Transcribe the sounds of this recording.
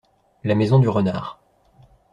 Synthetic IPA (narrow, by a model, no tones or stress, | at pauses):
lamezɔ̃d̪yʁəna̰ːʁ